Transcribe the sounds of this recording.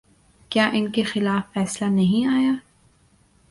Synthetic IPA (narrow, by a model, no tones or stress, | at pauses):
kjaːʔɪnkexɪlaːfːɛːslanɐɦĩaːjaː